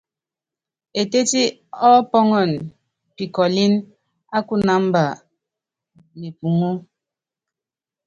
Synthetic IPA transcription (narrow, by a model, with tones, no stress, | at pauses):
e˨te˦ti˦ | ɔ˦pɔ˦ŋɔ˨n | pi˨kɔ˨li˦n | a˦ku˦na˨˦m˦ba˨ | ni˨pu˨ŋu˦